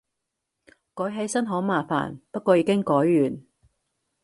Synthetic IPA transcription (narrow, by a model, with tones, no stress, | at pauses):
kɔː˨˥jɦe˨˧˥jsɐ˥nɦoː˨˥maː˨fa̰ː˨˩npɐ˥t̚kʷɔː˧jiː˨˧kɪ˥ŋkɔː˨˥jːyː˨˩n